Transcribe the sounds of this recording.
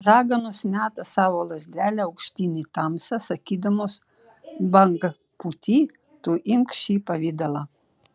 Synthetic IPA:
ɾɑːɡɐnʊsʲnʲæːt̪ɐsɑːʋoːlˠɐzʲd̪ʲæːlʲɛɐʊkʃʲt̪ʲinʲit̪ɑmsɐsɐkʲiːd̪ɐmoːs | bɐŋɡ | put̪ʲiː | t̪uːʔɪmkʃʲiːpɐʋʲiːd̪ɐlˠɑː

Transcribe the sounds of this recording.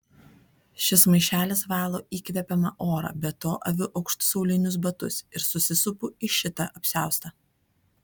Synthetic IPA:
ʃʲɪsmɐɪʃʲæːlʲɪsʋɑːlˠoːʔiːkʲʋʲɛpʲɛmɐʔoːɾɐ̰ːbʲɛt̪oːʔɐʋʲɪʔɐʊkʃt̪ʊ̥sɐʊlʲɪnʲʊs̬bɐt̪ʊsɪɾsʊsʲɪsʊpʊɪʃʲɪt̪ɐʔɐpʲsʲæˑʊst̪ɐ

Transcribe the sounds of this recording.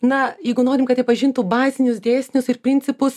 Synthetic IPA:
nɐjɛɪɡʊnoːɾʲɪmkɐt̪jɐpɐʒʲɪnt̪ʊbɑːzʲɪnʲʊsd̪ʲeːsʲnʲʊsɪrpʲɾʲɪnʲtt͡s̪ʲɪpʊs

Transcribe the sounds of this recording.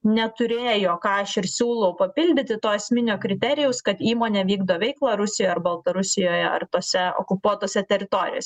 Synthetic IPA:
nʲɛt̪ʊɾʲeːjoːkɑːɐʃɪɾsʲuːlˠɐʊpɐpʲɪlʲd̪ʲɪt̪ʲɪt̪oːɐsʲmʲɪnʲoːkɾʲɪt̪ʲɛɾʲɪjɛʊskɐt̪iːmoːnʲeːʋʲiːɡd̪oːʋʲɛɪklˠɑɾʊsʲɪjoːjɐrbɐlˠt̪ɐɾʊsʲɪjoːjɛɐ̰rt̪oːsʲɛo̰kʊpuɔt̪oːsʲɛt̪ʲɛɾʲɪt̪oːɾʲɪ̰jo̰ːsʲɛ

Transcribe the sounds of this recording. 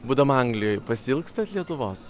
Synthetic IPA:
buːd̪ɐmɐɐŋɡlʲɪjoːjpɐsʲɪlˠkst̪ʲɐt̪ʲlʲiɛt̪ʊʋoːs

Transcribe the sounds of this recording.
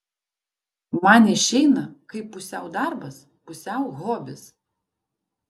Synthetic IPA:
mɑnʲɛʃʲɛjnɐkɐɪpːʊsʲæʊd̪ɑɾbɐs | pʊsʲæʊɣɔːbʲɪs

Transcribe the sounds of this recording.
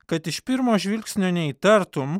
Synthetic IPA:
kɐt̪ɪʃpʲɪɾmoːʒʲʋʲɪlʲksʲnʲoːnʲɛit̪ɐɾt̪ʊm

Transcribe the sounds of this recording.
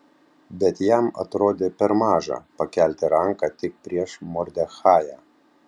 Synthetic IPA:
bʲɛt̪jɛmɐ̰t̪ɾoːd̪ʲɪpʲɛɾmɑːʒɐ̰pɐkʲælʲt̪ʲɪɾɑŋkɐt̪ʲɪk̚pʲɾʲiɛʃmɔɾʲd̪ʲɛxɑːjɛ

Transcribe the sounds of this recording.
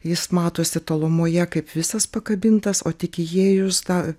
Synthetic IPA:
jɪsmɑːt̪oːsʲɪt̪ɐlˠomoːjɛkɐɪpʋʲɪsɐspɐkɐbʲɪnt̪ɐsoːt̪ʲɪkʲɪjeːjʊsd̪ɐ

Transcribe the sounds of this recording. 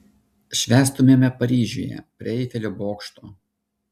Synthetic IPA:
ʃʲʋʲæːst̪ʊmʲeːmʲɛpɐɾʲiːʒʲuːjɛ̰pʲɾʲɪɛɪt̪ʲɛlʲoːboːkʃt̪oː

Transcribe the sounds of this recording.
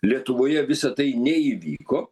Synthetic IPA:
lʲiɛt̪ʊʋoːjɛʋʲɪsɐt̪ɐɪnʲɛiʋʲḭːkoː

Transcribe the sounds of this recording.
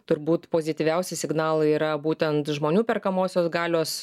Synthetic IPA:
t̪ʊɾbuːt̪poːzʲɪt̪ʲiːʋʲɛʊsʲɪsʲɪɡnɑːlˠɐiːɾɐbuːt̪ʲɛnt̪ʒmoːnʲuːpʲɛrkɐmoːsʲoːsɡɑːlʲoːs

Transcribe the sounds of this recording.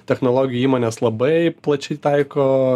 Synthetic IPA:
t̪ʲɛxnoːlˠoːɡʲɪjʊiːmoːnʲeːslˠɐbɐɪplˠɐt͡ʃʲɛɪt̪ɐɪkoː

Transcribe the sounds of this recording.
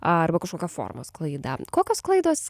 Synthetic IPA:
ɐɐɾbɐkɐʃkoːkʲɛfo̰ːrmo̰ːsklˠɐɪd̪ɐ̰koːkʲoːsklˠɐɪd̪oːs

